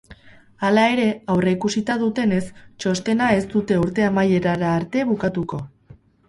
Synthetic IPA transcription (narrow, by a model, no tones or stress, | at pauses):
alae̞ɾe̞awre̞ikusit̪að̞ut̪e̞ne̞st͡ʃo̞st̪e̞nae̞st̪ut̪e̞uɾt̪e̞amaje̞ɾaɾaːɾt̪e̞βukat̪uko̞